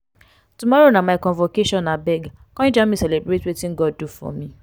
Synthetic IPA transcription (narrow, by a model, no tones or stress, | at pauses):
tumɔɾonãmajkɔ̃nvokeʃɔ̃nːabɛɡkɔ̃ĩd͡ʒãmĩsɛlebɾetwetĩŋɡɔd̚dufɔ̰mĩ